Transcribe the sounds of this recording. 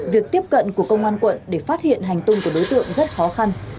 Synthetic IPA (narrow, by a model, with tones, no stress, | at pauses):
vi˨˩ək̚t̪i˦˥əp̚kə̰˧˨nku˧˩əkə˧wŋ͡mʔaː˧nkwə̰˧˨nɗe˧˩faː˦˥t̚hḭ˧˨ənɦa˨˩jŋ̟t̪ʊ˧ŋ͡mku˧˩əɗo˨˦jt̪ɨ̰˧˨əŋzə˦˥t̚xɔ˨˦xa˧n